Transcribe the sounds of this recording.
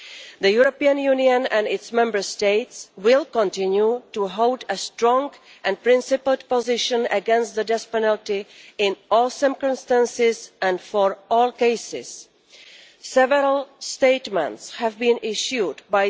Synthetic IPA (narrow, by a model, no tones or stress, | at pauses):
ðəjuɹopiə̃njuniə̃næ̃nɪtsmɛ̃mbə˞steɪtswɪlˠkə̃ntɪ̃njutuɦoʊdəstɹɔ̃ŋɡ | ʔɨ̃npɹɪ̃nsɪpl̩ˠpɔzɪʃə̃nə̰ɡɛ̃nstðədɛspɛnəltiɪ̃nɔlˠsɜ˞kə̃mstə̃nsɪzʔæ̃nfɔɹɔːlˠkeɪsɪ̰z̥ | sɛvəɾəlˠsteɪtmə̰̃ntshævbĩnʔɪʃjudbaɪ